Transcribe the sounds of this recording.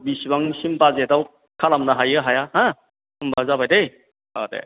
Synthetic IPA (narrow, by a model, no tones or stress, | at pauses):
bisibaŋsimpazetaw | kʰalamnaɦajɯɦajahã | ɯmbazabajdej | a̰dḛ